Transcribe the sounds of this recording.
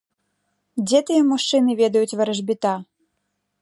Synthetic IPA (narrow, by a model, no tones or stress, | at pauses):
d͡zʲɛt̪ɨjɛmuʂt͡ʂɨnɨvʲɛd̪ɐjut͡sʲvɐɾɐʐbʲit̪a